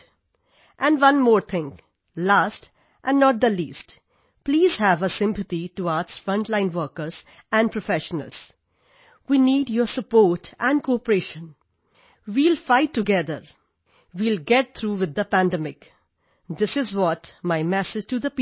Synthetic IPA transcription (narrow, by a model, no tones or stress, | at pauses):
ʔæ̃nɖʋʌ̃nmɔːɾt̪ʰɪ̃ŋ | læːst | ʔæ̃nnːɔʈ̚d̪əlḭːsʈ | pliːz̥hæʋəsɪ̃mpət̪iʈuaːtsfɾʌ̃nʈlãɪ̃nʋəːkəɾz̥ | æ̃nɖ̚pɹofɛʃənə̰ls | wiːniːɖjɔsəpoːɾʈʔæ̃n̚koɔpəɾeʃə̃n | wiːlfaɪʈːuɡɛd̪əɾ | ʋiːlɡɛʈ̚t̪ʰɾuːʋɪd̪ːəpæ̃ndɛmɪk | d̪ɪsɪzwɔtmaɪmɛsɪd͡ʒʈud̪əp